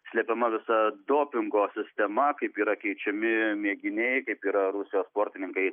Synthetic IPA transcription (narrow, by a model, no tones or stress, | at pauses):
sʲlʲɛpʲɛmɐʋʲɪsɐd̪oːpʲɪŋɡoːsʲɪsʲt̪ʲɛmɐkɐɪpiːɾɐkʲɛɪt͡ʃʲɛmʲɪmʲiɛɡʲɪnʲeɪkɐɪpiːɾɐɾʊsʲɪjoːspoːɾʲt̪ʲɪnʲɪŋkɐɪ